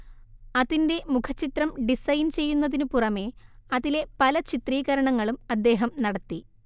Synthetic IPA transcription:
ɐðinde̞mukʰɐt͡ɕːit̪rɐmɖisɐjint͡ɕe̞jːunːɐðinɨpurɐme̞ɐðile̞pɐlɐt͡ɕit̪riːɣɐɾɐɳɐŋːɐɭumɐd̪ːe̞ːɦɐmnɐɽɐt̪ːi

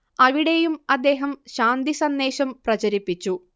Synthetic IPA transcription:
ɐʋiɽe̞jumɐd̪ːe̞ːɦɐmɕaːnd̪isɐnd̪e̞ːɕɐmprɐt͡ɕɐɾipːit͡ɕːu

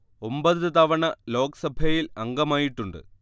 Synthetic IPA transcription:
o̞mbɐðɨt̪ɐʋɐɳɐlo̞ːkɐ̥sɐbʱɐjilɐŋɡɐmaːjiʈːuɳɖɨ̰

